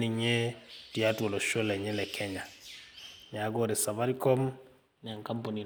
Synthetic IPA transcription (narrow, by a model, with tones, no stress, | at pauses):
ni˨ɲe˦ti˨a˦two˨lɔ˨ʃo˦lɛ˨ɲɛ˦lɛ˨kʰɛ˦ɲa˨ | ɲa˨˦ɡo˦ɾɛ˨sa˨βa˦ɾi˦kɔ˦m | n˨a˨ŋka˦mpo˨ni˨